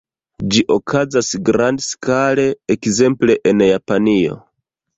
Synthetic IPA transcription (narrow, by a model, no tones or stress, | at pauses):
d͡ʒiʔo̞kʰazasɡɾandskale̞ekze̞mple̞ʔenjapanio̞̰